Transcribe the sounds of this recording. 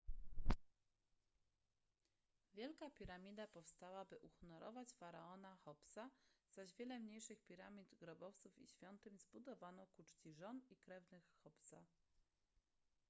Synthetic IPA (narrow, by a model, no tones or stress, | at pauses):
vʲjɛlkapʲiɾamʲid̪apɔfst̪awabɘʔuxnɔɾʔɔ̰vat͡ɕfaɾaɔnaxɔpsaz̥aʑvʲjɛlɛmɲejʂɘxpʲiɾamʲid̪ɡɾɔbɔft̪sufḭɕfʲjɔnt̪ɘmʲzbud̪ɔvanɔkut͡ʂt͡ɕiʐɔnikɾɛvnɘxːɔpsa